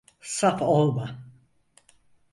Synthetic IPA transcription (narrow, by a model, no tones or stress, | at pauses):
sapʰolˠma